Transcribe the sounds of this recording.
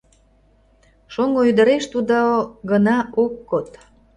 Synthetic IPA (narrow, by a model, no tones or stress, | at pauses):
ʃoŋoyd̪əɾeʃt̪ud̪oɡənɑʔokːot̪